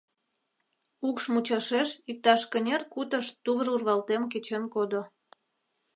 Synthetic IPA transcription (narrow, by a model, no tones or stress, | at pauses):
ukʃmut͡ɕɑʃeʃik̚t̪ɑʃkənʲerkut̪əʃt̪uβərurβɑlt̪emk̬et͡ɕenkod̪o